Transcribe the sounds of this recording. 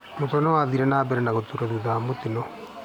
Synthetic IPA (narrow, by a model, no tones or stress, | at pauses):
motɔnɔwaðiɾɛnaːbɛɾɛnaɣot̪uɾaðuðamotɪnɔ